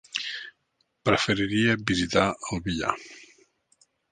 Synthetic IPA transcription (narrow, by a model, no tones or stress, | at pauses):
pɾəfəɾiɾiəbizit̪aəlˠβiʎa̰